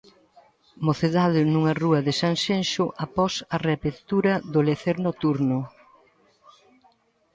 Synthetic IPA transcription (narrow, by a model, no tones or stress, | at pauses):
moθeðaðʊnuŋɐruɐðɪsaŋsenʃʊʔapɔsɐreapeɾt̪uɾɐðʊleθeɾnot̪uɾnʊ